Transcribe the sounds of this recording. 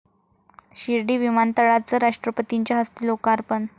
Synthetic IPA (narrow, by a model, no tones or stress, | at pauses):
ɕiɾɖiːʋimant̪əɭat͡səːɾaʂʈɾəpət̪iɲt͡ɕjaɦəst̪iːlokaɾpəɳ